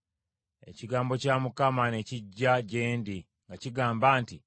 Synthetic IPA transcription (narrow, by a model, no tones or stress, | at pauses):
e̞̰ciɡaːmbo̞camukamane̞ciɟːaɟe̞ːndi | ŋɡaciɡaːmbaːnti